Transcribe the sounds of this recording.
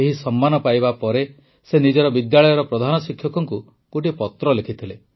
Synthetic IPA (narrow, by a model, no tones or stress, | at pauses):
eɦisɔmːanɔpajbapɔɾe | senid͡ʒɔɾɔbid̪jaɭɔjɔɾɔpɾɔd̪ʱanɔsikʰjɔkɔŋku | koʈipɔt̪ɾɔlekʰit̪ʰile